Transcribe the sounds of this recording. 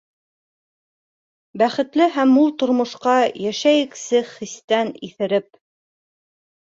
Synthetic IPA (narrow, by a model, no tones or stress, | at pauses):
bæχɘ̆t̪lɘɦæmːulˠt̪ŏɾmŏʃqɑjæʃæjɘ̆ksɘχist̪æniθɘ̆ɾɘp̚